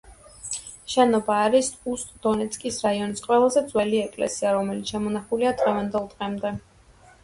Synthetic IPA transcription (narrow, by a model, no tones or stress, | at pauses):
ʃɛnɔbaːɾisust̪ʼd̪ɔnɛt̪sʰʼkʼisɾaiɔnisqʼwɛlˠazɛd̪zwɛliɛkʼlɛ̰siaɾɔmɛlit̪sʃamɔnaχuliad̪ʁɛvand̪ɛlˠd̪ʁɛmd̪ɛ